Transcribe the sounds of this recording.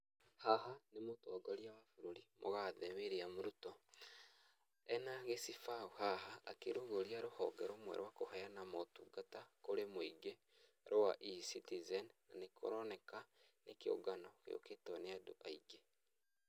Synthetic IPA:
hahanemotɔɡɔɾiaβafuɾoɾimʔoɣaðɛβeɾeamoɾutɔ | ɛnaɣesifauhaha̰ːkeɾoɣoɾiaɾohɔɡɛɾomwɛ̰ɾwakohajanamotuɡatakoɾemoiɡe | ɾowa̰ʔisitizɛnnanekʰo̰ɾɔnɛkanekeo̰ɡanɔkḛo̰ketɔneadoʔaiɡe

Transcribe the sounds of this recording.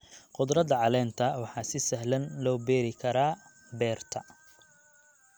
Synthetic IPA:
qʊd̪ɾɐd̪ɐʕɑlɛːnt̪ʰɐwɑħɑːsɪsɐɦlɐnlɔːbɛːɾɪkʰɐɾaː | bɛːrt̪ʰɐ

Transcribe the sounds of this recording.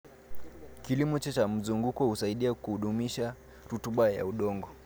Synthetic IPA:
kilimɔt͡ʃɛt͡ʃam̩zuŋɡukɔhusaiɗiakuhuɗumiʃa | ɾutuɓaja̰uɗɔŋɡɔ

